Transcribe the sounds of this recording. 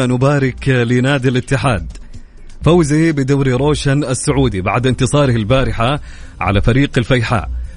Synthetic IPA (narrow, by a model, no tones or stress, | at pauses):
nʊbaːɾɪklɪnaːd̪ɪlɪt̪ːɪħa̰ːd̪ | fawzibɪd̪aːɾiɾˤoːʃanasːʊʕuːd̪iba̰ʕd̪ɪnt̪ɨsˤɑːɾhɪlbaːɾɪħa | ʕa̰lafaɾiːqɪlfajħa̰ːʔ